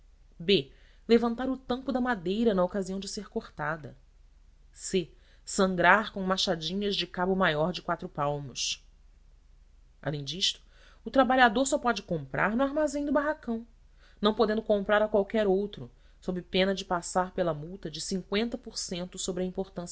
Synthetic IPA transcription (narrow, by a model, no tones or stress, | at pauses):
be | levɐ̃nt̪aɾʊt̪ɐ̃mpʊd̪ɐmad̪ejɾɐnɐokaziɐ̃w̃d͡ʒɪseɾkoɾt̪ad̪ɐ | se | sɐ̃ŋɡɾaɾkõmaʃad͡ʒĩɲɐzd͡ʒɪkabʊmajɔɾd͡ʒɪkwat̪ɾʊpawmʊʃ | a̰lẽj̃d͡ʒiʃt̪ʊ̥ː | t̪ɾabaʎad̪oɾsɔpɔd͡ʒɪkõmpɾʔa̰ɾnʊaɾmazẽj̃d̪ʊbaɦakɐ̃w̃ | nɐ̃w̃pod̪ẽnd̪ʊkõmpɾaɾɐkwawkɛɾowt̪ɾʊ | sobɪpẽnɐd͡ʒɪpasaɾpelɐmuwt̪ɐd͡ʒɪsĩŋkwẽnt̪ɐpoɾsẽnt̪ʊsobɾɪɐĩmpoɾt̪ɐ̃s